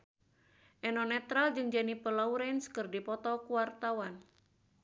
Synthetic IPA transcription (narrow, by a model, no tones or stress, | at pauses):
ʔɛnɔnɛt̪ɾald͡ʒɨŋd͡ʒanipəlauɾɛnskɨrdipɔt̪ɔkuwart̪awan